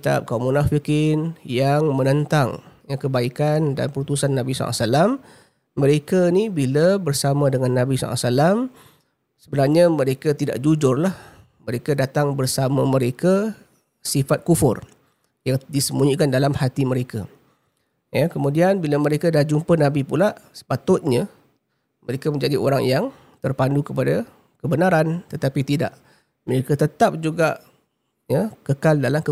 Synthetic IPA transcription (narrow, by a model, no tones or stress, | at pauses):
kit̪a̰p̚kamunafikɪnjaŋmənənt̪aŋjakəbaikanda̰npəɾut̪usanːabisɔ̰lʔa̰salamː | əɾekainibilabərsamãdəŋanːabisɔ̰la̰salam | səbənarɲaməɾekat̪ida̰ʔd͡ʒud͡ʒʊrlah | məɾekadat̪aŋbərsamaməɾeka | sifat̪̚kufʊ̰r | jaŋdisəmuɲikandalamhat̪iməɾeka̰ | jəkəmũdianbilaməɾekadad͡ʒumpənabipulaʔsə̥pat̪ʊt̪̚ɲə | məɾekamə̃ɲd͡ʒadiʔo̰ɾaŋjaŋ | t̪ərpandukəpada | kəbənaɾant̪ət̪apit̪ida̰ʔ | məɾekat̪ət̪ap̚d͡ʒuɡaʔ | jəkəkaldalamkə